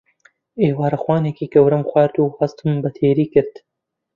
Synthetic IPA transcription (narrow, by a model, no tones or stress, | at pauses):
eːwaːɾɐxwaːneːkiːɡɐwɾɐmxʷwaːɾt̪uːhɐst̪ɨmbɐt̪ʰeːɾiːkɨɾt̪